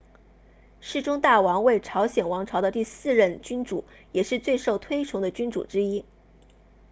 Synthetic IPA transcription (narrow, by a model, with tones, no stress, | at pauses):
ʂɻ̩˥˩ʈ͡ʂʊ˥ŋt̪a˥˩wɑ˧˥ŋwe˥˩ɪʈ͡ʂʰɑ˧˥ʊɕjɛ˨˩nwɑ˧˥ŋʈ͡ʂʰɑ˧˥ʊd̪ə˧t̪i˥˧sɹ̩˥˧ɻə˥˩nt͡ɕy˥nʈ͡ʂu˨˩˦ | jɛ˨˩ʂɻ̩˥˧t͡swe˥˧ɪʂo˥˩ʊt̪ʰwe˥ɪʈ͡ʂʰʊ˧˥ŋd̪ə˧t͡ɕy˥nʈ͡ʂṵ˨˩ʈ͡ʂɻ̩˥i˥